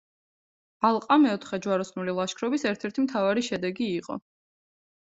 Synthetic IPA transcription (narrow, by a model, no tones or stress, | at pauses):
alˠqʼamɛɔt̪ʰχɛd͡ʒwaɾɔsnulilˠaʃkʰɾɔbisɛɾt̪ʰɛɾt̪ʰimt̪ʰavaɾiʃɛd̪ɛɡiːqʼɔ̰